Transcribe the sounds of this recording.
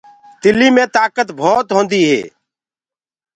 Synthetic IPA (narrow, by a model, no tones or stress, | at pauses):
t̪ɪliːmẽːt̪aːkət̪bʱoːt̪ɦõːnd̪iːɦḛː